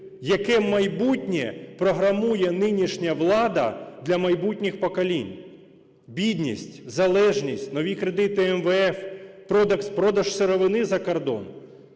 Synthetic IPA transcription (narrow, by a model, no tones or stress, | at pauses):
jɐkɛmɐjbutʲnʲɛpɾɔɦɾɐmujɛnɪnʲiʃnʲɐʋlˠɑd̪ɐ̰d̪lʲɐmɐjbutʲnʲɪxpɔkɐlʲinʲ | bʲid̪ʲnʲisʲtʲzɐlˠɛʒnʲisʲtʲnɔʋʲikɾed̪ɪt̪ɪɛmʋeɛfpɾɔd̪ɐkspɾɔd̪ɐʒseɾɔʋɪnɪzɐkɔrd̪ɔ̰n